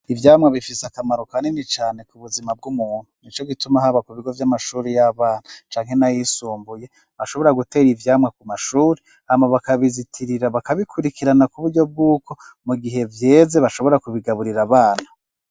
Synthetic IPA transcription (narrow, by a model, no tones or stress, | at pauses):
ivjaːmŋaβifiseakamaɾokanenit͡ʃaːne̞kuβuzimab̚ɡumuːn̥unit͡ʃo̞ɡitumaɦaβakuβiɡo̞vjamaʃuːɾejaβaːn̥at͡ʃaːŋhe̞najisuːmbuje̞ | βaʃo̞βo̞ɾaɡute̞ːɾivjaːmŋakumaʃuːɾi | hamaβakaβizitʰiɾiɾaβakaβikʰuɾikiɾanakuβuɾɟo̞b̚ɡuːkʰo̞muɡiɦe̞vje̞ːze̞βaʃo̞βo̞ɾakuβiɡaβuɾiɾaβaːnhḁ